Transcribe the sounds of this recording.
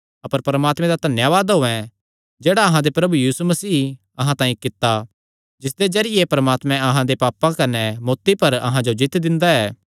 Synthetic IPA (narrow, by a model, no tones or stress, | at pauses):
ɐpəɾpɐɾəmaːt̪mɛ̃d̪at̪ɐnjaʋaːd̪ɦoɛ̃ | d͡ʒeːɽaɐɦãd̪epɾɐbujiːsumɐsiː | ɐɦãt̪ãːĩkɪt̪ːa | d͡ʒɪsd̪ed͡ʒɐɾɪjepɐɾɐmaːt̪mɛ̃ɐɦãd̪epaːpãkɐnɛmoːt̪ːipɐɾɐɦãd͡ʒod͡ʒɪt̪d̪ɪ̃nd̪aɛː